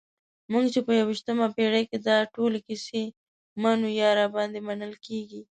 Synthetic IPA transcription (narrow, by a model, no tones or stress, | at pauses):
muŋɡt͡ʃepəjawiʃt̪əmapeɽajked̪ɑʈolekise | manojɑɾabɑnd̪emanəlkeɡi